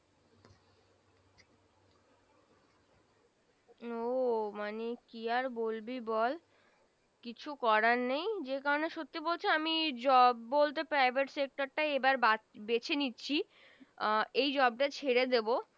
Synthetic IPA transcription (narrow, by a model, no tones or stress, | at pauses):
omanekiaɾbolbibɔl | kit͡ɕʰukɔɾanejd͡ʑekaɾoneʃot̪ːibolt͡ɕʰeamid͡ʑɔbːolt̪̬epɾajbʱeʈsek̚ʈaɾʈaebaɾbabet͡ɕʰenitːɕʰi | ejd͡ʑɔb̚ʈat͡ɕʰeɾed̪ebo